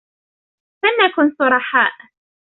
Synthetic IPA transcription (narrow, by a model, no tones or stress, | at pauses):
fanːakʊnsʊɾˤɑħaːʔ